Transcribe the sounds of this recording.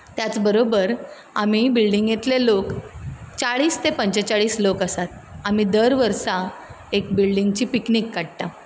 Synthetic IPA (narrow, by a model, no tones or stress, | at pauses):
t̪jat͡sbəɾobəɾ | amibilɖiŋɡjet̪lelokt͡saɭiːst̪epəɲt͡ɕət͡saɭiːslokəsat̪̚amid̪əɾʋəɾsa | ek̚bilɖiŋɡt͡ɕiːpiknikːaɽt̪a